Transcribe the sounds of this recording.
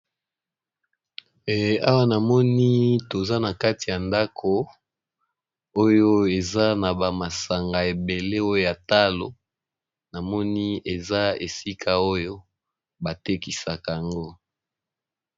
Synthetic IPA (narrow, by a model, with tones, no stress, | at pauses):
e˨a˦wa˦na˨mɔ˦ni˦to˨za˦na˨ka˦ti˨ja˨nda˦kʰo˨ | o˦jo˦e˨za˦na˨ba˨ma˨sa˨ŋɡa˨e˨be˨le˦o˦jo˦ja˨ta˦lo˨ | na˨mɔ˦ni˦e˨za˦e˨si˦kʰa˨o˦jo˦ | ba˨te˦ki˨sa˨ka˨a˨ŋɡo˦